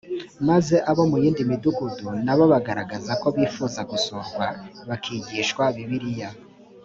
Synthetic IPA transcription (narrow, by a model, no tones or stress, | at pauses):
maze̞ʔaβo̞mujiːndimiduɡudunaβo̞βaɡaɾaɡazako̞βiːfuːzaɡusoɾɡwaβakʰiɟiːʃwaβiβiɾija